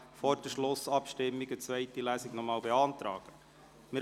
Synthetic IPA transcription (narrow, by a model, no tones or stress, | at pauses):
fɔɾd̥əʃlʊsɑpʃtɪmːiɡət͡svɛɪtilæːsiɡnɔmɑːlbeɑnt̪ɾɑ̰ːɡ̥ə | mɪ